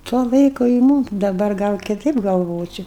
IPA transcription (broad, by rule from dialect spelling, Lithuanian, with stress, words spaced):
tuɔ ˈlˠɐɪkʊ ɪ ˈmuːm dɐˈbɐr ˈɡɐlˠ kʲɪˈtɐɪp ɡɐlˠˈʋoːt͡ʃʲoː